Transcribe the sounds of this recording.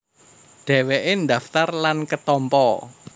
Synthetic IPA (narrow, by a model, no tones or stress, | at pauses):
ɖ̥ɛ̤weʔend̪aft̪arlankət̪ɔmpɔ